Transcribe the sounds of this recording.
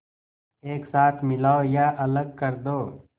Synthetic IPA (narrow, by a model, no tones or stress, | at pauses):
eːksaːt̪ʰmɪlaːojaːʔɐləɡ̚kɐɾd̪oː